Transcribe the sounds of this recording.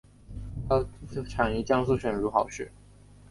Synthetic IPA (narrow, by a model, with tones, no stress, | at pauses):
t̪ʰa˥˩ʈ͡ʂʰɑ˨˩ŋi˧˥˩t͡ɕjɑ˥ŋsu˥˩ɕɥɛ˨˩nɻu˧˥xɑ˨˩ʊʂɻ̩˥˩